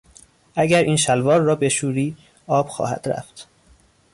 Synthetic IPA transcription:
ʔæɟæɾʔiːnʃælvɒːɾːɒːbeʃuːɾiː | ɒːb̥xɒ̰ːhæ̰d̪̥ɾæ̰ft̪

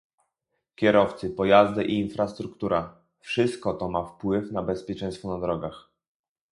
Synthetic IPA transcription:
kʲɛɾɔft̪sɘpɔjazd̪ɘʔiːnfɾast̪ɾukt̪uɾʔa | fʂɘst̪̚kɔt̪ɔmafpwɘfnabɛspʲjɛt͡ʂɛj̃st̪fɔnad̪ɾɔɡax

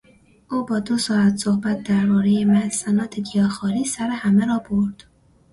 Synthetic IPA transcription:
ʔuːbɒːd̪o̞sɒːæt̪sohbæt̪̚d̪æɾbɒːɾejemælsænɒːt̪ʰeɡ̪ijɒːxɒːɾiːsæɾehæmeɾɒːboɾd̪̥

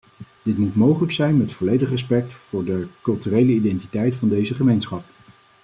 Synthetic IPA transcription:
d̥ɪtmutmowχələksɛjnmɛətfɔlejdəχrɛs̬pɛk̚tfʊːɹdəkɵlˠtyrejləidɛntitɛjtfɑndejzəχəmejnsχɑp̚

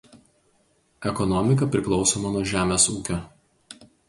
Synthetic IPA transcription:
ɛkɔnɔmʲɪk̬ɐpʲɾʲɪklˠɒʊsoːmɐnuɔʒʲæːmʲesuːkʲo

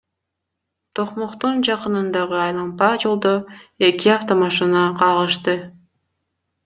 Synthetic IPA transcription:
t̪ʰoqmoqt̪und͡ʒɑqɯnɯnd̪ɑʁɯɑjlˠɑmpɑd͡ʒolˠd̪oe̞kiaft̪omɑʃɯnɑqʰɑʁˠɯʃt̪ɯ

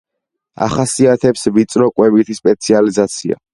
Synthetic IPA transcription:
a̰χasiat̪ʰɛpsvit̪sʼɾɔkʼwɛbit̪ʰispʼɛt̪sʰializat̪sʰia̰

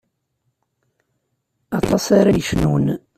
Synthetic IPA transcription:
ɑt̪ˤɑsaɾajəʃnun

